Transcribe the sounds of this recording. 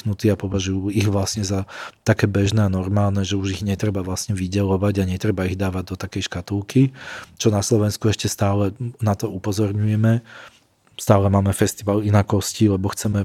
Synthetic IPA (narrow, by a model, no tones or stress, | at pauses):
nut̪iːapɔʋaʒujuiɣʋlasɲɛzat̪akɛːbɛʒnɛːanɔɾmaːlnɛʒɛuʒiɣɲɛt̪ɾɛbaʋlasɲɛʋiɟɛlɔʋaɟaɲɛt̪ɾɛbaiɣd̪aːʋaɟ̚d̪ɔt̪akɛjʃkat̪ulkit͡ʃɔnaslɔʋɛnskuɛʃcɛst̪aːlɛnat̪ɔupɔzɔɾɲujɛmɛ | st̪aːlɛmaːmɛfɛst̪iʋalinakɔscilɛbɔxt͡sɛmɛ